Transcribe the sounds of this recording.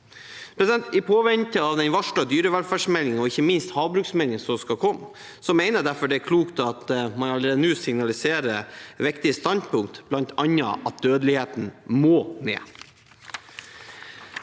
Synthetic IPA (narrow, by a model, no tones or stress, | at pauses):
pʰɾɛsɪd̪ɛnt̪ɪpʰoːʋɛnt̪əɑʋd̪ɛnʋɑʂɭɑd̪yːɾəʋɛlfæːʂmɛlɪŋɔɪçːəmɪnst̪hɑːʋbɾʉːksmɛlɪŋənsɔskɑkʰɔmː | sɔmeɪnəɖ̪æɾfɔɖɛæɾkʰluːkt̪ɑt̪mɑnɑləɾeːd̪ənʉːsɪŋnɑlɪseːɾəɾʋɪkt̪ɪəst̪ɑnd̪pʰʊŋk̚t̪b̥lɑnt̪ʰɑnːɑ̰ʔɑt̪̚d̪øːd̪əlɪheːt̪n̩moːnḛː